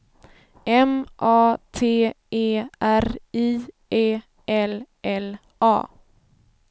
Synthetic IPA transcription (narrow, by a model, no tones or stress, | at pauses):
ɛmʔɑːt̪ʰeː | eːʔæɾiː | ʔeː | ʔɛlʔɛl | ʔɑ̰ː